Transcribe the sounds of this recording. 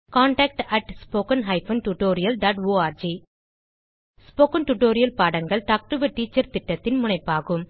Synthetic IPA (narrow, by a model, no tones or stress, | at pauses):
kaːɳʈaːk̚ʈɐʈspoːkɐnɦɐɪfɐnʈuʈoːɾɪjɐlɖaːʈoːaːɾd͡ʒi | spoːkɐnʈuʈoːɾɪjɐlpaːɽɐŋɡɐɭʈ̪aːk̚ʈɯʋɐʈːiːt͡ʃːɐɾt̪ɪʈːɐt̪ːɪnmʊɳɐɪpːaːɣɯm